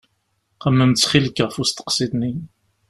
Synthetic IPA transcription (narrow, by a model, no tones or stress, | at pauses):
qəmːəmt͡sːχiləkʁfust̪ə̥qsid̪ni